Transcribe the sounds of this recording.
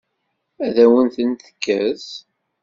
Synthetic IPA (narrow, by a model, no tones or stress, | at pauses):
æðæwənθənt̪ə̥kːæθ